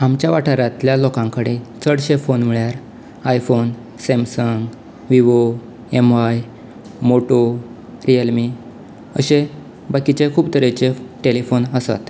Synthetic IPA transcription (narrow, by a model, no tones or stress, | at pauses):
amt͡ɕjaʋaʈʰəɾãt̪ljalokãŋkəɽet͡səɽɕefonmiɭjaɾ | ajfon | semsəŋɡ | ʋiʋo | emʋaj | moʈo | ɾijəlmi | əɕe | bakit͡ɕekʰuːbt̪əɾet͡ɕeʈelifonəsa̰t̪